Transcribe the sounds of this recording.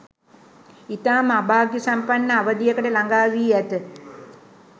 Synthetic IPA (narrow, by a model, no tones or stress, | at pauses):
it̪aːmabaːɡjəsampanːəaʋəd̪ijəkəʈəlaŋɡaːʋiːæt̪ə